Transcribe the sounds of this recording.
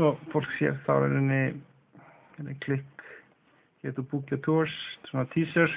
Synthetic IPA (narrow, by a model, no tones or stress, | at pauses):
sɔfol̥ksjɛ̰ɾθa̰vɛ̰ɾɪnːɪ | ɛɾɪkʰlɪhk | cɛt̪upucat̪ʰussɔnat̪ʰiːsəɾ